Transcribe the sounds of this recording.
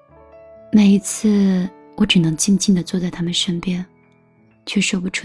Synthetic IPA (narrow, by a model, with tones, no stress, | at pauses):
me˨˩ɪi˧˥t͡sʰɹ̩˥˩ | wɔ˧˥ʈ͡ʂɻ̩˨˩nɤ˧˥ŋt͡ɕi˥˧ŋt͡ɕi˥˩nd̪ə˩t͡swɔ˥˧t͡sa˥˩ɪt̪ʰa˥mə˨nʂə˥npjɛ˥˧n | t͡ɕʰɥɛ˥˩ʂwɔ˥˩pu˧ʈ͡ʂʰu˥